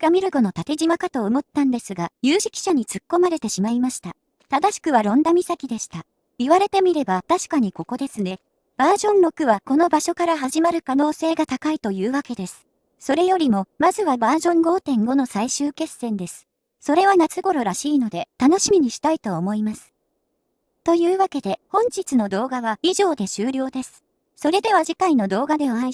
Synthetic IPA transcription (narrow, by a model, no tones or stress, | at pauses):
ɡ̥amʲiɾɯ̟ɡo̞no̞t̪at̪e̞ʑimakat̪o̞ːmo̞t̪ːãnd̪e̞sɨɡajɨːʑi̥kʲi̥ɕaɲ̟it͡sɨkːo̞maɾe̞t̪e̞ɕimaimaɕi̥t̪a | t̪ad̪aɕi̥kɯ̟β̞aɾõ̞nd̪amʲisakʲid̪e̞ɕi̥t̪a | iβaɾe̞t̪e̞mʲiɾe̞bat̪aɕi̥kaɲ̟iko̞ko̞d̪e̞sɨne̞ | b̥aːʑõ̞nɾo̞kɯ̟βako̞no̞baɕo̞kaɾaɦaʑimaɾɯ̟kano̞ːse̞ːɡat̪akait̪o̞jɯ̟ːβake̞d̪e̞sɨ̥ | so̞ɾe̞jo̞ɾʲimo̞mazɨβabaːʑõ̞ŋɡo̞ːt̪ẽ̞ŋɡo̞no̞saiɕɨːke̞sẽ̞nd̪e̞sɨ̥ | so̞ɾe̞β̞anat͡sɨɡo̞ɾo̞ɾaɕiːno̞d̪e̞t̪ano̞ɕimʲiɲ̟iɕi̥t̪ait̪o̞ːmo̞imasɨ̥ | t̪o̞jɯ̟ːβake̞d̪e̞hõ̞ɲ̟d͡ʑit͡sɨno̞d̪o̞ːɡaβ̞aiʑo̞ːd̪e̞ɕɨːɾʲo̞ːd̪e̞sɨ̥ | so̞ɾe̞d̪e̞βaʑikaino̞d̪o̞ːɡad̪e̞oai